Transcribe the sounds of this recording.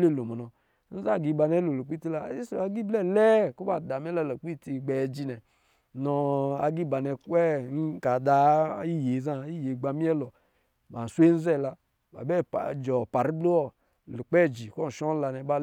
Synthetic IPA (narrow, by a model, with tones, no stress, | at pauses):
le˦˨lo˨mɔ˨nɔ˨ | n̩˦za˦˨ɡi˨˧ba˧nɛ˦lo˨lu˨k͡pi˦ti˦la˨˦i˦sa˨˦ɡi˦blɛ˦lɛ˦ku˦ba˨da˨m˦ɛ˦la˦la˨k͡pi˦˨ti˧ɡ͡bɛ˨d͡ʒi˧nɛ˨ | nɔ˧a̰˨ɡi˦ba˨nɛ˧˨kɛ˦n˦ka˨da˨i˦je˨za˦i˦je˨ɡ͡ba˨mi˦ɛ˦lɔ˨ | ba˨n̩˨swe˦n̩˦zɛ˦˨la˧ | ba̰˨bɛ˦˨d͡ʒɔ˨pa˨ɾi˦blo˦ɔ˦ | lu˨k͡pɛ˦˨d͡ʒi˨kɔ˦n̩˨ʃɔ˦n˦la˧nɛ˨˦ba˦